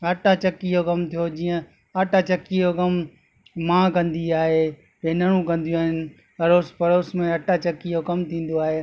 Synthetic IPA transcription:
ɐʈat͡ɕɐkiɦokɐmt̪ʰijod͡ʑiːə̃ | ɐʈat͡ɕɐkiɦokɐm | mãːkɐ̃nd̪iaːɦeː | benɐɽ̃ũkɐ̃nd̪ijũaːɦɪnɪ̆ | ɐɾoːspɐɾoːsmẽɐʈat͡ɕɐkːijokɐmt̪ʰĩːn̆d̪oaːɦeː

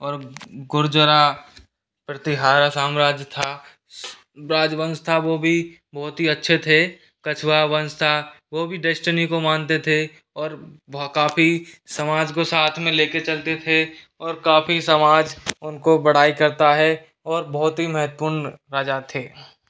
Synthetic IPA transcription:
ɔːɾɡʊɾd͡ʒəɾa | pɾət̪ɪɦaːɾasaːmɾaːd͡ʒjt̪ʰa | ɾaːd͡ʒbə̃nst̪ʰaʋobʱi | bɔːt̪ɦiɐtːʃʰet̪ʰe | kɐt͡ʃʰwabɐ̃nst̪ʰaʋoːbʱiɖɛːsʈənikomãːnt̪et̪ʰe | ɔːɾkaːfisɐmaːd͡ʒkosaːt̪ʰmẽleːket͡ʃɐlt̪et̪ʰe | ɔːɾkaːfisəmaːd͡ʒʊnkobɐɽ̤aːikɐɾt̪aɦɛ | ɔːɾbɔɦt̪ɦiməɦət̪̚ːpuːɾnɾaːd͡ʒat̪ʰeː

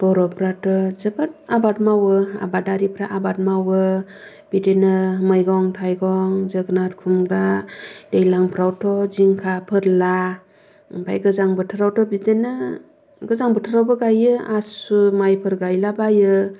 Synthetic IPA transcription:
b̥ɔɾɔpɾatɔzɯbat̚abat̚mawɯa̰badaɾipʰɾaʔabat̚mawɯ | b̥idenɯmɯjɡɔŋtʰajɡɔŋzɯɡnat̚kʰumɡɾad̥ejlaŋpʰɾawtʰɔziŋkʰapʰɯɾla | ba̰jɡɯzaŋbɯtʰɯɾawtʰɔbidenɯ | ɡɯzaŋbɯtʰɯɾawbɯɡajɯasumajpʰɯɾɡajlabajɯ

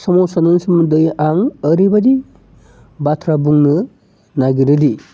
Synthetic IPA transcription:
sɔmɔsanɯnsɯmɯdɯjaŋəɾibadi | batʰɾabuŋnɯ | naɡiɾɯdi

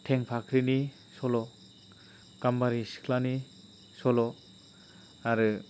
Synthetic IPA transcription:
tʰeŋpʰakʰɾini | sɔlɔ | kambaɾisi̥kʰlani | sɔlɔ | aɾɯ

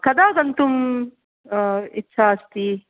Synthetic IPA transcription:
kɐd̪aːɡɐnt̪um | itːʃʰaɐst̪i

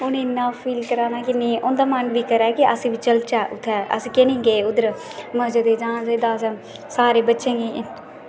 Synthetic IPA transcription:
ʊnɪnːãːpʰiːlkəɾãːnaːkɪnẽːʔʊnd̪aːmənʋiːkəɾɛːkiʔəsĩːʋit͡ʃəlt͡ʃaːʔʊt̪ʰːɛːʔə̰sĩːkenĩːɡeːʊd̪əɾməd͡ʒəd̪eːd͡ʒãːzed̪aːsã | saːɾeːbətːʃẽːɡeː

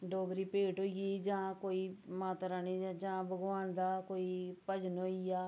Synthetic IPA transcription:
ɖoːɡɾiːpeːʈɦoːiiːd͡ʒãːkoːiːmaːt̪ɾaːniːd͡ʒãːbəɡʋaːnd̪aːkoːiːpəd͡ʒnoːijaː

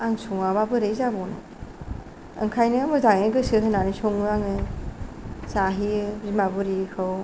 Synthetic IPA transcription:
aŋsɔŋaβabɯɾejzabɔnɯ̰ | ɯ̰ŋkʰajnɯmɯzaŋeɡɯsɯɦɯnanisɔŋɯaŋɯ | saɦiɯbzimabɯɾikʰɯw

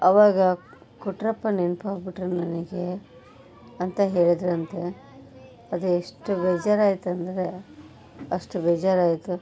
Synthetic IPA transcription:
ɐʋaːɡɐ | kuʈɾɐpːɐnenpaːɡbiʈɾɐnɐniɡe | ɐnt̪ɐɦeːɭid̪ɾɐnt̪e | ɐd̪ueʂʈubeːd͡ʒaːɾaːjit̪ɐnd̪ɐɾe̞ | ɐʂʈubɛːd͡ʒaːɾaːjit̪u

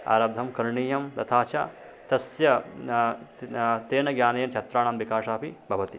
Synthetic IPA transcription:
a̰ːɾɐb̚d̪ʱɐmkɐɾɳiːjɐmt̪ɐt̪ʰaːt͡ʃa̰ː | t̪ɐsjɐ | t̪eːnɐɡjaːnɐjɐmt͡ʃʰɐt̪ɾaːɳamʋikaːʂaːpibʱɐʋɐt̪i

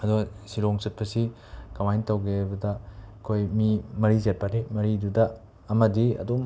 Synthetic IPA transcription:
ɐdu | siɾoŋsɐt̚pʰɐsi | kɐmajntɐwɡebɐdɐkʰojmimɐɾizet̚paɾemɐɾidudɐː | mɐdiɐ̰dum

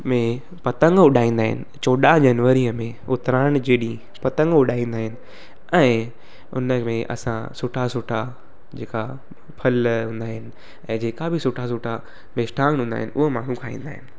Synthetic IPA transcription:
mẽ | pɐt̪ə̃ŋɡʊɗʱaːĩːn̆d̪aːɦɪ̰nɪ̆t͡ɕoːɗad͡ʑɐnʋəɾiəmẽ | ʊt̪ɾaːɽ̃d͡ʑeːɗĩ | pɐt̪ə̃ŋɡʊɗaːĩːnd̪aːɦɪnɪ̆ | ɛ̃ː | ʊ̰nəmẽʔɐ̰sã̰sʊʈʰasʊʈʰa | d͡ʑeːka | pʰɐlɦũːnd̪aːɦɪnɪ̆ | ɛ̃ːd͡ʑeːkabʱɪsʊʈʰas̬ʊʈʰa | mesʈʰaːɦũːnd̪a̰ːɦɪnɪʔʊɦmaːɽ̤ũkʰaːḭ̃ːn̆d̪aːɦɪnɪ̆

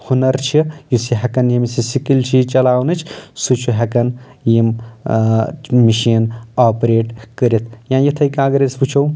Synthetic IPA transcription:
hunɐɾt͡ʃʰijusiɦɐkɐnjimisisikilt͡ʃʰit͡ʃɐlaːwnɨt͡ʃʰsut͡ʃʰuɦɐkɐn | jim | miʃiːnaːpɾeːʈkəɾit̪ʰjãːjɐt̪ʰɐjkãːɡɐɾesput͡ʃʰɐw

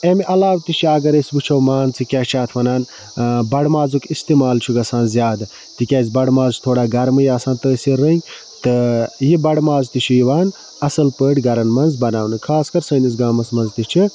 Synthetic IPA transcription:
emiʔɐlaːwt̪it͡ʃʰiɐɡɐɾesʲbut͡ʃʰɐwmaːnt͡sʰɨkʲaːt͡ʃʰaːt̪ʰʋɐnaːn | bɐɽmaːzukist̪iːmaːlt͡ʃʰuɡɐsaːnzjaːd̪ɨ | t̪ikʲaːzʲbɐɽmaːzt͡ʃʰt̪ʰoːɽaːɡɐɾmɨjaːsãːnt̪əːsiɾənʲ | t̪ɨjibɐɽmaːzt̪it͡ʃʰijiʋaːn | ɐsɐlpəːʈʲɡɐɾɐnmɐnzbɐnaːwnɨkʰaːskɐɾsɐːnisɡaːmɐsmɐnzt̪it͡ʃʰi

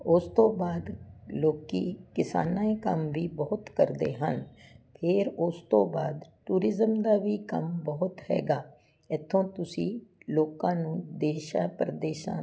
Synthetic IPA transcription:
ʊst̪õːbaːd̪loːkḭːkɪsa̰ːnãːeːkə̰mʋiːbəɦʊt̪kəɾd̪ḛːɦə̰npʰɪɾʊst̪õːbaːd̪ʈuːɾɪzəmd̪aːʋiːkəmbəɦʊt̪hɛ̰ːɡaː | ɪt̪ʰːõːt̪ʊsĩːloːkãːnũːd̪eːʃa̰ːpɾəd̪eːʃã̰ː

